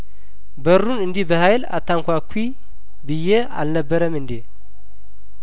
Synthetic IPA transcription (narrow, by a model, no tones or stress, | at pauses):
bəɾunɨnd̪ihbəhajla̰t̪ʰːaŋkʷakʷʰːi | bɨjːe | a̰lnəbːəɾəmɨnd̪e